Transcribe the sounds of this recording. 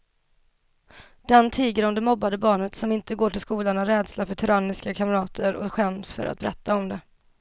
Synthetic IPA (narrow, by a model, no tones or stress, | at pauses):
d̪̥ant̪ʰiːɡəɾɔmd̪ɛmɔbːad̪əbɑːɳət̪sɔmɪnt̪əɡoːʈɪlskuːlaɳaɾɛːd̪slafœʈʰɵɾanːɪskakʰamɾɑːt̪ʰəɾɔ̰ɧɛmsfœ̰ɾʔa̰t̪̚bɛɾɛt̪ːaɔmd̪ɛ